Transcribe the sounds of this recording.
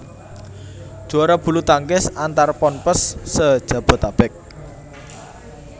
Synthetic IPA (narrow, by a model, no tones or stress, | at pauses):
d̥ʒ̥uaɾab̥ṳlut̪aŋkɪsant̪arpɔnpəsːəd̥ʒ̥ä̤b̥ə̤t̪ab̥ɪk̚